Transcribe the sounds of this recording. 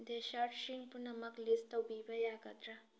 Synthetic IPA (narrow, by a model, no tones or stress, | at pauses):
d̪eʃaːʈʃiŋpunɐmɐklist̪ɐwbiːbɐjaːɡɐt̪ɾa